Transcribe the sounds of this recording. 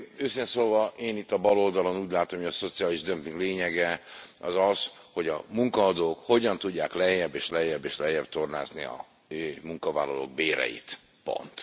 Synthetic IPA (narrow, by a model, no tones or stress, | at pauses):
øːsinɛsoːlvɒʔeːnit̪ːɒbɒlo̞ld̪ɒlo̞nuːɟlaːt̪o̞mhojɒso̞t̪siaːliʒd̪ømpiŋɡleːɲɛɡɛɒzɒs | ho̞ɟɒmuŋkɒːd̪oːkho̞ɟɒnt̪uɟːaːklɛjɛbːeːʃlɛjːɛbːeːʃlɛjɛb̚t̪o̞rna̰ːznḭɒ̰ | muŋkɒva̰ːlːɒlo̰ːɡ̚beːɾɛ̰jḭt̪ | po̞̰nt̪